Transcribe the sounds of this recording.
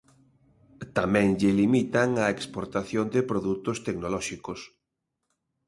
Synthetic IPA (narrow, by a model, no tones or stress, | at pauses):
t̪amɛ̃ŋʎɪlimit̪aŋaekspoɾt̪aθjond̪ɪpɾoðut̪ost̪eknolɔʃikos